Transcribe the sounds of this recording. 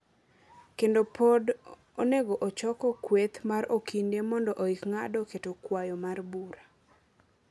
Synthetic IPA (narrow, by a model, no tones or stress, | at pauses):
kendopʰod | oneɡoʔot͡ʃɔkɔkwet̪maɾokindemɔndɔʔoikŋadɔketokwajɔmarbuɾa